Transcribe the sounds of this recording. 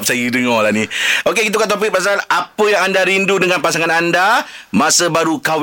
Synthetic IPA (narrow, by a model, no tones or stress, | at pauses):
p̚sajidəŋɔlahniokekit̪̬əkaʔt̪op̬ik̚pasaanapəjaŋandaɾindudəŋanpasaŋanandamasəbaɾukaw